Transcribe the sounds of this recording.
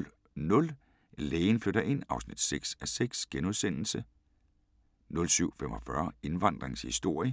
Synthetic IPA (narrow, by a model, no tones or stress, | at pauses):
l | nɔ̽l | leːnfløɾ̥ɐʔe̝n̰ɑ̈ʊsnid̥seɡ̥sæseɡ̥sɡ̥enuðˠsen̰l̩sə | nɔ̽lsyʊ̰fem̰ɒ̽fɶɐe̝nʋɑ̈n̰d̥ʁeŋshisd̥o̝ɐ̰jə